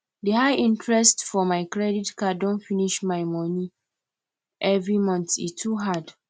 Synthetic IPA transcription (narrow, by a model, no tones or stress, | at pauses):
dehajʔĩntɹɛstfɔmaɪkɹɛditkadõnfiniʃmaɪmɔ̃ni | ʔɛvɹimɔ̃nθitʰuɦad